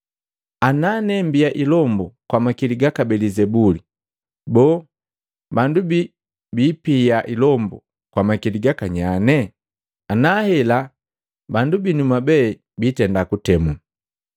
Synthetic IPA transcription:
ananɛmbijaʔilɔmbɔkwamakiliɡakabɛlizɛbuli | bɔː | bandubi | biːpijaʔilɔmbɔ̰ | kwamakiliɡakaɲanɛ | anahɛla | bandubinumabɛ | bitɛndakutɛmu

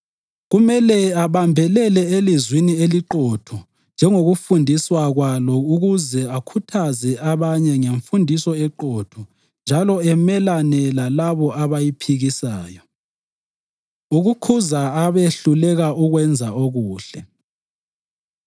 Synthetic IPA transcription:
ɣumɛlɛaβambʱɛlɛlɛelizwinieliǃotʰu | nd͡ʒʱɛŋoɣufundʱiswaɣwalɔuɣuzɛakʰutʰazɛaβaɲɛŋeɱfundʱisɔɛǃotʰu | nd͡ʒʱalɔɛmɛlanɛlalaβɔʔaβajipʰiɣisaːjɔ | uɣukʰuzaaβeɬulɛɣauɣwɛnd͡zʱaoɣuːɬɛ

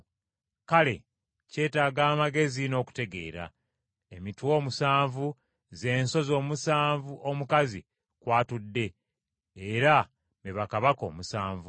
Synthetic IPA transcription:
kale̞̰ | ce̞ːtaːɡaːmaɡe̞zino̞ːku̥te̞ɡe̞̰ːɾa̰ | e̞mitwo̞ːmusaːɱvu | ze̞ːnso̞zoːmusaːɱvuʔomukazi | kwaːtudːe̞ː | ɾa | meβakaβako̞̰ːmusaːɱvu

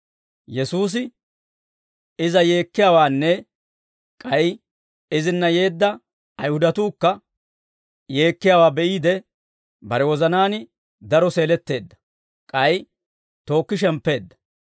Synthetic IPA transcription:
jɛsuːs̬ɪ | ɪzɐje̞ːkːɪjaːwaːnːɛ | kʼɐj | ɪzɪnːɐje̞ːd̪ːɐː | jhʊd̪ɐt̪uːkːɐ | je̞ːkːɪjaːwaːbɛʔiːd̪ɛ | bɐɾɛwɔzɐnaːnɪ | d̪ɐɾɔse̞ːlɛt̪ːe̞ːd̪ːɐ̥ | kʼɐj | t̪o̞ːkːɪʃ̬ɛmpːe̞ːd̪ːɐ̥

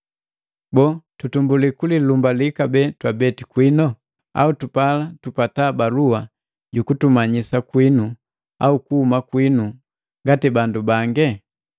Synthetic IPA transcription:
bɔtutumbulikulilumbalikabɛtwabɛtikwinɔ | a̰utupalatupatabalua | ɟukutumaɲisakwinu | a̰ukuhumakwinu | ŋɡatibandubaŋɡɛ

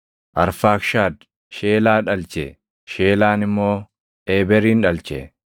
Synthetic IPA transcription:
ʔɐɾfaːkʃaːd̪ | ʃe̞ːlaːᶑɐlt͡ʃɛ | ʃe̞ːlaːnɪmːo̞ː | ʔeːbɛɾiːnᶑɐlt͡ʃɛ̰

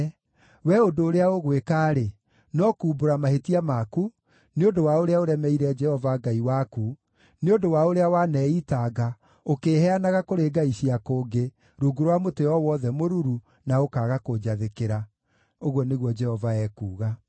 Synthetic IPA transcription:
wɛodoːɾeaoɣwekaːɾe | nɔkuːboɾamahetiamaku | neondowaoɾeaoɾɛmɛiɾɛd͡ʒɛhɔvaɡaiwaku | neondowaoɾeawanɛitaːɡa | okeːhɛanaɣakoɾeɡaiɕiakoːɡe | ɾuːɡuɾwamoteɔwɔðɛmoɾuɾu | naokaːɣakod͡ʒaðekeɾa | oɣwɔneɣwɔd͡ʒɛhɔvaɛːkuːɣa

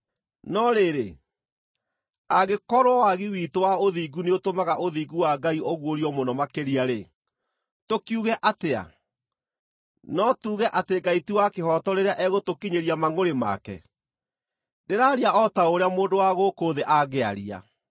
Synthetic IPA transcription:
nɔɾeɾe | aɣekɔɾwɔwaɣiwiːtowaoðiɡuneotomaɣaʔoðiːɡuwaɡaiʔoɣwoɾiɔmonɔmakeɾiaɾe | tokiuɣɛʔatea̰ | nɔtuːɣɛʔateɡaitiwakehɔtɔɾeɾeaʔɛɣotokiɲeɾiamaŋoɾema̰kɛ̰ | deɾaːɾiaɔtaoɾeamoːndowaɣokoðeʔaɣea̰ɾia̰

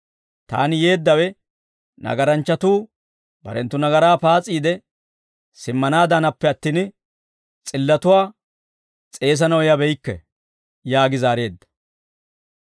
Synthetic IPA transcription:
t̪a̰ːnɪje̞ːd̪ːɐwɛ | nɐ̰ɡɐɾɐnt͡ʃːɐt̪uː | bɐ̰ɾɛnt̪ːʊnɐɡɐɾaːpaːt͡sʼːiːd̪ɛ | sɪmːɐnaːd̪ɐnɐpːɛɐt̪ːiːn | t͡sʼɪlːɐt̪ʊwaː | t͡sʼe̞ːs̬ɐnɐwjɐbɛjkːɛ̰ | jaːɡɪzaːɾe̞ːd̪ːɐ̥

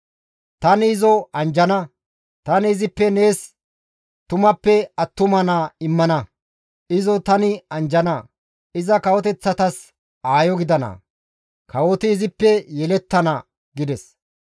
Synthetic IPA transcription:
t̪ɐnɪːzɔɐnd͡ʒɐnɐ | t̪ɐnɪːzɪpːɛne̞ːs | t̪ʊmɐpːɛɐt̪ːʊmɐnɐːɪmːɐnɐ | ɪzɔt̪ɐnɪɐnd͡ʒɐnɐ | ɪzɐkɐwɔt̪ɛt͡sːɐt̪ɐs | aːjɔɡɪd̪ɐnɐ̰ | kɐwɔt̪ɪːzɪpːɛjɛlɛt̪ːɐnɐ | ɡɪd̪ɛs

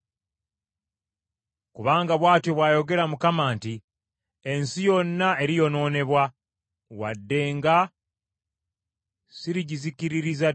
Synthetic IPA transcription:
kuβaːŋɡaβwaːtjoβwaːjo̞ɡe̞ɾamukamaːnti | e̞nsijo̞nːaeɾijo̞no̞ːne̞βwa | wa̰dːe̞ːŋɡa | siɾiɟizikiɾiɾiza

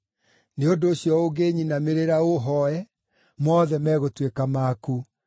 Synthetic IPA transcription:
neondoːsjɔoɣeːɲinameɾeɾaoɦɔɛ | mɔðɛmɛɣotwekamaːku

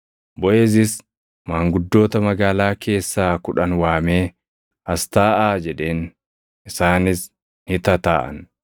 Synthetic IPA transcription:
bɔʔeːzɪs | maːŋɡʊd̪ːo̞ːt̪ɐmɐɡaːlaːke̞ːsːaːkʊᶑɐnwaːme̞ː | ɐst̪aːʔaːd͡ʒɛᶑe̞ːn | ɪsaːnɪs | hɪt̪ɐt̪a̰ːʔɐ̰n

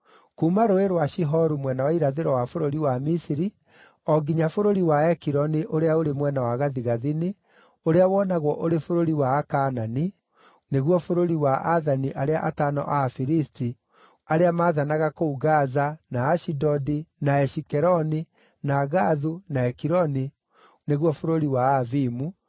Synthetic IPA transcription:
kumaɾoeɾwaʃiɦɔɾumwɛnawaiɾaðeɾɔwafoɾoɾiwamisiɾi | ɔɡiɲafoɾoɾiwaɛkiɾɔniʔoɾeaoɾemwɛnawaɣaðiɣaðine | oɾeawɔnaɣwɔʔoɾefoɾoɾiwaːkanani | neɣwɔfoɾoɾiwaʔaðaniʔaɾeaʔatanɔ̰ʔafiɾisti | aɾeamaːðanaɣakouɡazanaːʃidɔdinaɛʃikɛɾɔni | naɣaðunaɛkiɾɔni | neɣwɔfoɾoɾiwaːvimu

